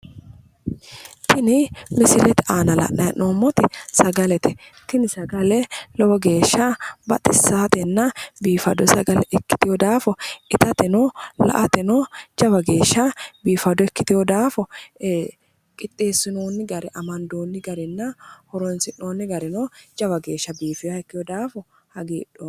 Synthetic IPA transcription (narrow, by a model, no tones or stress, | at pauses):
t̪ʰɪnɪmɪsɪlɛt̪ɛaːnɐlɐ̰ʔɐjɐ̰no̞ːmːɔt̪ɪsɐɡɐlɛt̪ɛt̪ɪnɪsɐɡɐlɛlɔwɔɡe̞ːʃːɐbɐ̰t̪ʼɪsːaːt̪ɛnːɐbiːfɐd̪ɔsɐɡɐlɛʔɛkːɪ̥t̪ɪjɔd̪aːfɔɪt̪ɐt̪ɛnɔlɐ̰ʔɐt̪ɛnɔd͡ʒɐbɐɡe̞ːʃːɐbiːfɐd̪ɔɛkːɪt̪ɪjɔd̪aːfɔ | kʼɪt̪ʼːe̞ːsːɪnoːnːɪɡɐɾɛʔɐmɐnd̪oːnːɪɡɐɾɛnːɐhɔɾɔnsɪnoːnːɪɡɐɾɛnod͡ʒɐbɐɡe̞ːʃːɐbiːfɪjaɛkːɪjɔd̪aːfɔ | hɐɡḭːᶑo